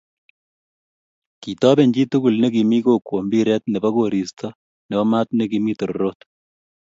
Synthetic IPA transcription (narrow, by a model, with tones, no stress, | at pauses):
ki˨t̪ɔː˦bɛ˨ɲt͡ʃi˦t̪u˦ku˨lnɛ˦ki˨mi˦koː˦kwo˨mbi˦ɾɛ˦t̪̚nɛ˨bɐ˦ɡo˨ɾi˨st̪ʰɔ | nɛ˨ba˦ma˦t̪nɛ˦kimi˦t̪o˨ɾɾo˦t̪